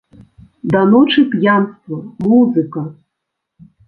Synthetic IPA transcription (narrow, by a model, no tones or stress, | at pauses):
d̪anoʈ͡ʂɨpjanst̪vomuzɨka